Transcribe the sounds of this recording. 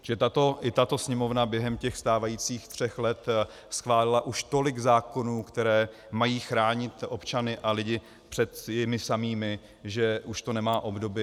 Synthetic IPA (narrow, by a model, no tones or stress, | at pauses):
ʒɛt̪at̪oʔɪt̪at̪o̞sɲɛmo̞vnabjɛɦɛmcɛxst̪aːvajiːt͡siːxt̪r̝̥ɛxlɛt̪ | sxvaːlɪlaʔuʃt̪o̞lɪɡzaːko̞nuːkt̪ɛɾɛː | majiːxɾaːɲɪt̪ʔo̞pt͡ʃanɪʔalɪɟɪ | pr̝̥ɛt̪jɪmɪsamiːmɪ | ʒɛʔuʃt̪o̞nɛmaːʔo̞bdo̞bɪ